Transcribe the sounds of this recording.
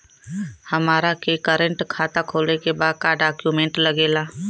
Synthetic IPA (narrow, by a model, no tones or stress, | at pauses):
hɐmaːɾakekəɾə̃ɳʈkʰaːt̪akʰoːlnekebaːd̪̚kaːɾɖaːkjuːmẽɳʈləɡeːlaː